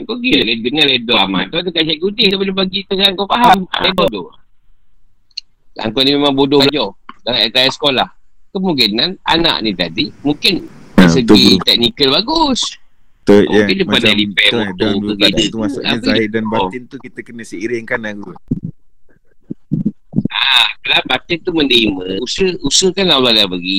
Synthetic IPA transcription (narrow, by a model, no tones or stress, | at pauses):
aŋkoɡilakedəŋaledɔama̰t̪ɔt̪ukansaɡudɪht̪apənəbaɡit̪əkaŋkɔpaɦamdabodɔ | a̰ŋkɔʔnimemãŋbodɔlad͡ʒɔdaŋaet̪ajasə̥kolahkəmukinːana̰na̰ʔnit̪adimukɪnasəɡit̪ɛk̚nikəlbaɡus | t̪əmuakɪnt̪upadalipɛouəkit̪ət̪uasa̰əadanbaɔɪnt̪ukit̪əkənəsəiɾɪŋkanlaɡu | akalabat̪ɪnt̪uməndəiməusəusəhkanlalalabəɡi